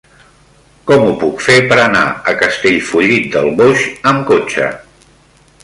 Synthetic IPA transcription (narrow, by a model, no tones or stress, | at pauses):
kɔmupukfepəɾəna̰əkəst̪eʎfuʎit̪̚d̪əlˠβoʃəmkot͡ʃə̰